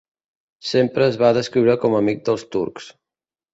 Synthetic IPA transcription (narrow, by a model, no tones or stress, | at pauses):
sempɾəːzβaðəskɾiwɾəkɔməmik̚d̪əlˠst̪ṵɾks